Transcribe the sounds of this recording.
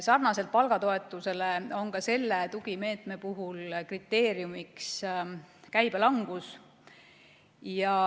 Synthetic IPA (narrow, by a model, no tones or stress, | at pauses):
sɑrnɑse̞lt̪̚pɑlɡ̥ɑt̪o̞e̞t̪ːˑuse̞leo̞nkɑse̞lːet̪uɡ̥ime̞ːt̪me̞puɦulkrit̪ːˑe̞ːɾjumiks | kæjb̥elɑŋɡ̥us | jɑ